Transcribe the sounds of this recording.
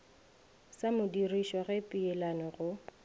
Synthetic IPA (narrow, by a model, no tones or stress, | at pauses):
samʊdiriʃɔɣɛpʼiɛlanɔɣʊ